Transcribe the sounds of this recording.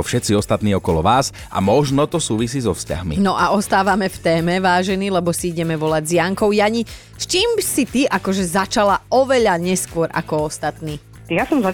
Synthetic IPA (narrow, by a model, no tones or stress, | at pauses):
fʃɛt̪t͡siɔst̪at̪niːɔkɔlɔʋaːz | a̰mɔʒnɔt̪ɔsuːʋisiːzɔfsca̰ɦmḭnɔʔaɔst̪aːʋamɛft̪ɛːmɛʋaːʒɛniːlɛbɔsiiɟɛmɛʋɔlaɟzjaŋkɔʊjaɲi | st͡ʃiːmsit̪iʔakɔʒɛzat͡ʃalaɔʋɛʎaɲɛskʊɔɾa̰kɔɔst̪at̪niː | jasɔmza